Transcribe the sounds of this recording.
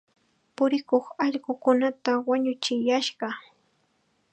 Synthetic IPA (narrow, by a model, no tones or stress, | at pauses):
pʊɾɪkoχɑʎɢʊkʊnat̪awaɲʊt͡ʃɪjaʃɢɑ